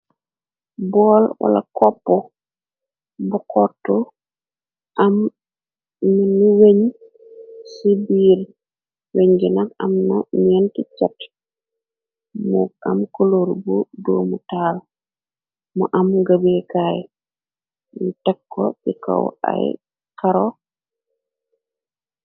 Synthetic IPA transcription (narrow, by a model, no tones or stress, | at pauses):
bɔlwa̰lakɔpːɔ | bukɔtːɔ | ʔam | minuweɲ | sibiːɾ | weɲɡinakamnɔmiɛntit͡ʃat | mṵɡa̰mkoloɾbudoːmutaːl | muʔamɡabekaːj | nitɛkːɔ̰bika̰wa̰j | kaɾɔ